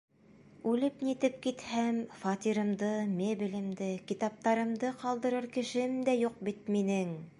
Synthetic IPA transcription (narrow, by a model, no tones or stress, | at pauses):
ʉlɘpnit̪ɘp̚kit̪hæmfɑt̪iɾɤ̆md̪ɤmebilɘ̆md̪ɘkit̪ɑp̚t̪ɑɾɤ̆md̪ɤqɑlˠd̪ɤ̆ɾɤɾkɘ̆ʃɘ̆md̪æjuq̚bit̪̚minɘŋ